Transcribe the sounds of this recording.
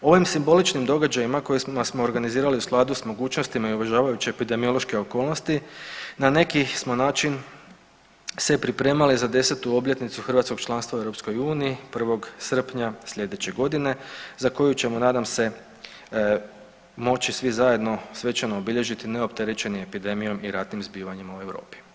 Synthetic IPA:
o̞ʋimsimbo̞lit͡ʃnimd̪o̞ɡad͡ʑajimako̞jesmasmo̞ːɾɡaniziːɾaliusklˠaːd̪usmo̞ɡuːt͡ʃnost̪imaiuʋeʒaːʋajut͡ɕeːpid̪e̞mio̞lˠo̞ʃke̞o̞ko̞ːlˠnost̪inane̞kismo̞naːt͡ʃin | se̞pɾipɾe̞ːmalizad̪e̞set̪uo̞bʎe̞t̪nit̪suxr̩ʋat̪ko̞ɡ̥̚t͡ʃlˠanst̪ʋaue̞ɾopsko̞juːniːpr̩ʋo̞ɡsr̩pɲasʎʲe̞d̪e̞t͡ɕe̞ɡo̞d̪ine̞zako̞jut͡ɕe̞monaːd̪amse̞ | mo̞t͡ɕisʋizaje̞d̪no̞sʋe̞t͡ʃanoːbiʎe̞ʒit̪ine̞opt̪eɾet͡ɕe̞nimepid̪e̞mijo̞miɾat̪nimzbiːʋaɲimaue̞ʋɾo̞̰ːpi̥

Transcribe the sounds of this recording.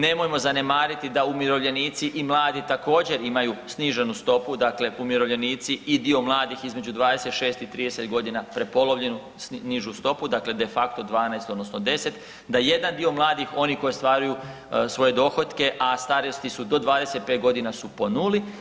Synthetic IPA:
ne̞mo̞jmo̞zane̞maːɾit̪id̪aumiɾo̞ʋʎe̞niːt̪siʔimlˠaːd̪it̪ako̞ːd͡ʑe̞ɾimajusniʒe̞nust̪o̞pud̪akle̞ʔumiɾoʋʎe̞niːt̪siid̪io̞mlˠaːd̪ixizme̞d͡ʒud̪ʋaːd̪e̞se̞t̪ʃe̞ːst̪it̪ɾiːd̪ese̞t̪ɡo̞d̪inapɾe̞po̞loʋʎe̞nu | sniʒust̪o̞pud̪akle̞d̪e̞fakt̪o̞d̪ʋaːnajst̪o̞d̪no̞snod̪e̞se̞t̪ | d̪aje̞d̪and̪io̞mlˠaːd̪ixo̞nikojist̪ʋaːɾuju | sʋo̞je̞d̪o̞xo̞t̪ke̞ʔast̪aɾiost̪isud̪o̞d̪ʋaːd̪e̞se̞t̪̚peːt̪ɡo̞d̪inasupo̞nuli

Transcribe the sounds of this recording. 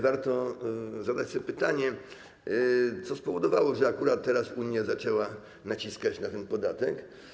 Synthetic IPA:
vaɾt̪ɔzad̪at͡ɕsɔpɘt̪aɲɛ | t̪sɔspɔvɔd̪ɔvawɔʐɛakuɾat̪ːɛɾasuɲjazat͡ʂɛwa | nat͡ɕiskat͡ɕnat̪ɛnpɔd̪at̪ɛk

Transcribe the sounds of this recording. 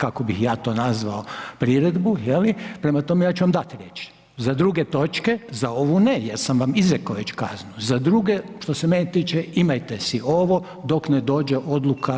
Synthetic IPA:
kako̞bixjaːt̪o̞ːnazʋaopɾiɾe̞d̪bujelipɾe̞mat̪o̞mejaːt͡ʃuʋamd̪at̪ɾjḛt͡ʃ | zad̪ɾuɡet̪o̞t͡ʃke̞zao̞ʋunejeɾsamʋamizɾekoʋet͡ɕka̰znuzad̪ɾuɡeʃt̪o̞semenet̪iːt͡ʃeimajt̪esio̞ʋo̞ | d̪o̞kned̪o̞ːd͡ʒeʔo̞d̪lˠukʰa

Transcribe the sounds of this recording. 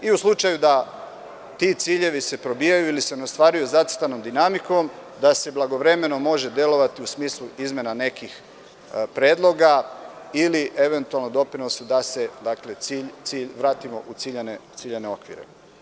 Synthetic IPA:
iuslˠut͡ʃajud̪a | t̪iːt̪siːʎe̞ʋise̞pɾo̞bijajuilise̞neost̪ʋaːɾujuzat̪t̪ano̞md̪inamiko̞md̪ase̞blˠaɡo̞ʋɾe̞me̞no̞mo̞ʒe̞d̪je̞lo̞ʋat̪iusmiːslˠuizmjenane̞kix | pɾeːd̪lˠo̞ɡailiʔe̞ʋe̞nt̪ualnod̪o̞pɾinosud̪ase̞d̪akle̞t̪siːʎt̪siːʎʋɾaːt̪imo̞̰ʔut̪siːʎenet̪siːʎene̞o̞kʋḭɾe̞̰

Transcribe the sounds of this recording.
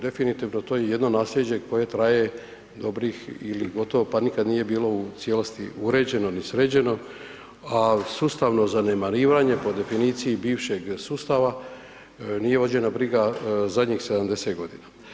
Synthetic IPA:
d̪e̞finit̪iʋno̞t̪oje̞je̞d̪no̞naːslʲe̞d͡ʑe̞ko̞je̞t̪ɾaje̞ | d̪o̞bɾixḭliɡo̞t̪o̞ʋopanikad̪nije̞biːlo̞ut̪sjelost̪iuɾe̞d͡ʑe̞no̞nisɾed͡ʑe̞no̞ | asust̪aʋno̞zane̞maɾiːʋaɲe̞po̞d̪e̞finiːt̪sijibiːʋʃe̞ɡsuːst̪aʋa | niːje̞ʋo̞d͡ʑe̞nabɾiɡazad̪ɲixse̞d̪amd̪e̞se̞ːt̪ɡo̞d̪ina

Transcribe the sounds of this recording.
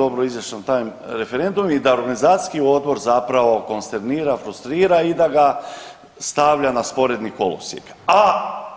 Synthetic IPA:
o̞bɾoizʋjaʃant̪aːjmɾe̞fe̞ɾend̪ummid̪ao̞ɾɡanizaːt̪i̥skio̞d̪bo̞ɾzapɾaʋo̞ko̞nst̪e̞ɾniːɾafɾust̪ɾiːɾaid̪aɡa | st̪aʋʎanaspo̞ɾe̞d̪niko̞lˠosjḛka

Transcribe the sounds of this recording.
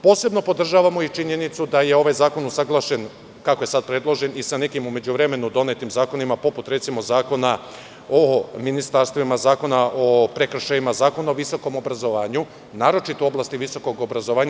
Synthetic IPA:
po̞ːse̞bno̞po̞d̪r̩ʒaːʋamo̞it͡ʃiɲe̞nit̪sud̪aje̞o̞ʋajzaːko̞nusaɡlˠaʃe̞n | kako̞jesad̪̚pɾe̞d̪lˠo̞ʒe̞nisane̞kimume̞d͡ʑuʋɾe̞me̞nud̪o̞ne̞t̪imzaːko̞nimapo̞put̪ɾe̞t̪simo̞zaːko̞na | ominist̪aɾst̪ʋimazaːko̞naʔo̞pɾe̞kr̩ʃajimazaːko̞naoʋiso̞ko̞mo̞bɾazo̞ʋaːɲu | naːɾo̞t͡ʃit̪ooblaːst̪iʋiso̞ko̞ɡo̞bɾazoʋaːɲ

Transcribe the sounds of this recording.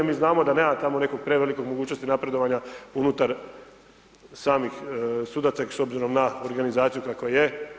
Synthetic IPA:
miːznaːmo̞d̪aneːmat̪amo̞ne̞koɡ̚pɾe̞ʋe̞liko̞ɡmoɡuːt͡ɕno̞st̪inapɾe̞d̪o̞ʋaɲaunut̪aɾ | saːmixsud̪at̪saso̞bziɾo̞mnaoɾɡanizaːt̪sijukakʋaje

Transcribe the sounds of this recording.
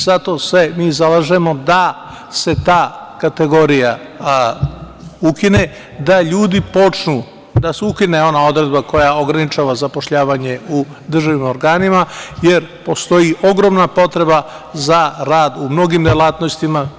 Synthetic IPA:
z̥at̪o̞semiːzalaʒe̞mo̞d̪a | se̞t̪aːkat̪e̞ɡo̞ɾija | ukine̞ | d̪aʎuːd̪ipo̞t͡ʃnu | d̪aseukineo̞nao̞d̪ɾe̞d̪bako̞jao̞ɡɾanit͡ʃaːʋazapo̞ʃʎaːʋaɲe̞u | d̪r̩ʒaʋimo̞ɾɡaːnimaje̞ɾpo̞st̪o̞jiʔo̞ɡɾo̞mnapo̞t̪ɾe̞ba | zaɾaːd̪umno̞ɡimd̪elat̪no̞st̪ima

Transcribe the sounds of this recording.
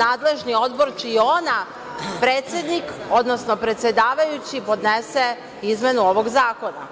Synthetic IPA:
aːd̪le̞ʒnio̞d̪bo̞ɾt͡ʃiona | pɾeːt̪sʲje̞d̪niko̞d̪no̞sno̞pɾet̪sje̞d̪aːʋajut͡ɕipo̞d̪nese | izme̞nuo̞ʋo̞ɡzaːko̞na̰

